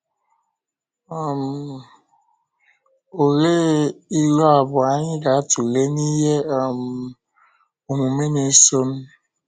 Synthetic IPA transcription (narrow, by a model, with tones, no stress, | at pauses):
ɔ˦m̩˨ | o˨ɾe˦i˦lɔ˦a˨bʊ˨a˨ɲɪ˦ɡa˨a˦tu˨ɾe˦ni˦ɦe˦ɔ˨m̩˨ | o˨ŋʷu˨me˦ne˨˦so˦m̩˦